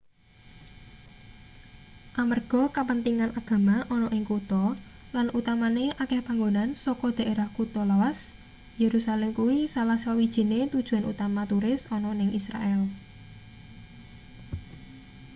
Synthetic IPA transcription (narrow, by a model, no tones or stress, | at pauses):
ʔamərɡ̥ɔ̤kapənt̪iŋanaɡ̥ä̤maʔɔnɔʔɪŋkut̪ɔ | lanʔut̪amaneʔakɛhpaŋɡonansɔkɔd̪̥a̤ʔeɾahkut̪ɔlawas | jeɾusalɛmkuwisalahsawid̥ʒ̥i̤net̪ud̥ʒ̥ṳwanṵt̪amat̪uɾɪsɔnɔnɪŋisɾa̰ʔɛl